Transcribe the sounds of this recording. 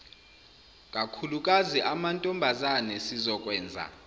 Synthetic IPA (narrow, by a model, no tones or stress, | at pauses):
kʼakʰulukʼaziʔamantʼɔmbʱazanɛsizɔk̬ʼwɛːnd͡zʱa̰